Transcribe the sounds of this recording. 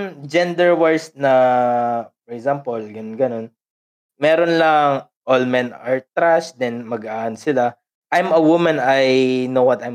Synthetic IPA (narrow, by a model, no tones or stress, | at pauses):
nd͡ʒɛnd̪ɛɹwɛɹsnɐ | fɔɹɛkzampolɡɐɡɐno̞n | mɛːɾonlɐŋ | ʔolmɛnaɹt̪ːɾasd̪ɛnmɐɡʔaːʔɐnsɪla | ʔajmɐwumɐ̃nɐjnowɐt̪ajm